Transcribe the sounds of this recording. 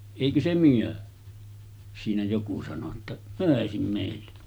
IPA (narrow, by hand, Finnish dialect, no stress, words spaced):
eˑikø se myø siːnæ joku sɑno tːɑ møˑesim meˑilːe